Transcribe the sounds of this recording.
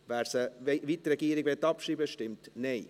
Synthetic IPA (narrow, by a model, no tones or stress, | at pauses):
væːɾsəvitɾɛɡiːɾɪɡvɛtːɑpʃiːbəʃtɪmtneɪ